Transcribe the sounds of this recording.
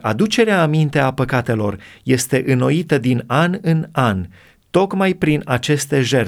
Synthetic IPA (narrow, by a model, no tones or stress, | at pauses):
ad̪ut͡ʃe̞ɾeaːmint̪e̞apəkat̪e̞lo̞rje̞st̪e̞ʔɨno̞it̪əd̪inanɨnan | t̪o̞kmajpɾinat͡ʃe̞st̪e̞ʒe̞r